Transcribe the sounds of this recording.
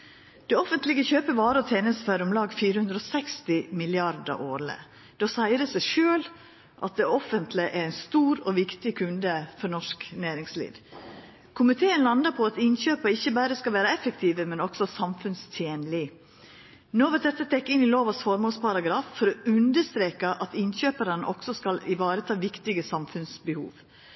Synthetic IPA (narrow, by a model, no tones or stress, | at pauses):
d̪̥ɛɔfənt̪lɪɡəçøːpəʋɑːɾəɔt̪ʰeːnəst̪fæɾəʊmlɑːɡfiːɾəhʉnd̪ɾoːsɛkst̪ɪmɪlɪɑɾd̪ə̰ʔoːɾlə̰ | d̪̥ɛɔsæɪɾəsæɪʃøːl | ʔɑ̰t̪̚d̪ɛɔfənt̪ʰlɪʔæɾæɪnst̪uːɾɔʋɪkt̪ɪkʰʉnd̪əfɔɾnɔʂknæːɾɪŋslḭːd̪ | kʰʊmɪt̪ʰeːənlɑnd̪əɾpʰɔɑt̪ɪnɕøːpəɾɪçːəbæːɾəskɑlʋæːɾɑɛfəkt̪ʰiːʋəmɛnɔksɔsɑmfʉnst̪ʰjeːnlɪ | noːʋɑt̪d̪ɛt̪ːət̪ʰɛkːɪnɪloːʋɑsfɔɾmoːlspʰɑɾɑɡɾɑːffɔɾɔʉnd̪əst̪ɾeːkəʔɑt̪ɪnɕøːpəɾənəʔɔksɔskɑlɪʋɑːɾət̪ʰɑːʋɪkt̪ɪɡəsɑmfʉnsbəhṵːʋ